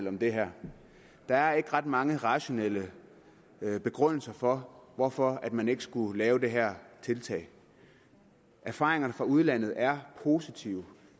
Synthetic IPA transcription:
l̰ɒ̽md̥e̝ɦæɐ̰ | d̥ɑ̈æɐe̝ɡ̥əʁɑ̈d̥mɑ̈ŋəʁɑ̈ɕo̝nel̰ə | b̥e̝ɡ̥ʁœn̰l̩sɐfɒ̽ʋɒfɒ̽æd̥mæne̝ɡ̥əsɡ̥ulɛːʊd̥e̝ɦæɐ̰t͡sʰe̝lt͡sʰɛ̰ːɪ | æɐfɑ̰̈ːʁe̝ŋɐnəfʁɑ̈uð̞ˠlæn̰ð̞̩ˠæɐpʰo̝sit͡sʰiʊə

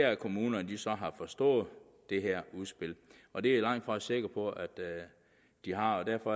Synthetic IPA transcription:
ææɐkʰo̝muːnɐd̥isɒ̽ɦɑ̈fɒ̽sd̥ɔ̰̽ːð̩ˠ | d̥e̝ɦæɐ̰uðˠsb̥e̝l̰ɒ̽d̥e̝ælɑ̈ŋ̰d̥fɒse̝ɡ̥ɐpʰɒ̽ʔæd̥ | d̥iɦɑ̈ɒd̥æɐfɒ̽

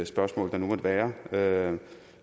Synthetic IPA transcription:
sb̥ɶɐsmɔ̰̽ːld̥ɑ̈numɒd̥e̝ʋæːɐø

